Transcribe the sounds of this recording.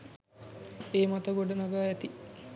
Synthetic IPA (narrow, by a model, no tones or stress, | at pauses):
eːmat̪əɡoɖənaɡaːɛt̪i